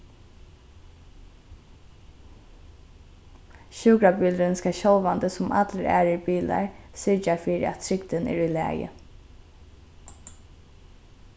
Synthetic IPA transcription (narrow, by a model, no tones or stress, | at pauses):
ʃʉːkɾabʏld̪ənskaʃɔlʋand̪əsʊma̰t̪ləɾæ̰ːɾɪɹbiːla̰ɹsʏɹt͡ʃafiːɾɪ̰a̰t̪t̪ʰɾɪɡd̪ənɛ̰ːɹulæ̰ːjə̰